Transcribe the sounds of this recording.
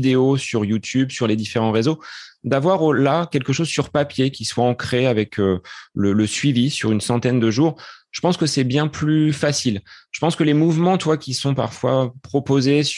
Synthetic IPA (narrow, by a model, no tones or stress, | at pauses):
d̪eosyʁjut̪ʰybsyʁled̪ifeʁɑ̃ʁezod̪avwaʁolakʲɛlkəʃozsyʁpapjekʲiswaɑ̃kχeavɛkʰølələsɥivisyʁynsɑ̃t̪ɛnd̪əʒuːʁʒəpɑ̃skəsɛbjɛ̃plyfasilʒ̥ə̥pɑ̃skəlemuvmɑ̃t̪wakʲisɔ̃pa̰ʁfwa̰pχɔpozes